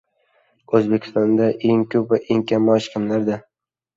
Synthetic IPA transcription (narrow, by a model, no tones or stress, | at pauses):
ɵzbe̞kʲʰɪ̥st̪ɒnd̪aʔeŋkʲʰɵpvaʔeŋkʲʰamɒʃkʲʰɪmlaɾd̪a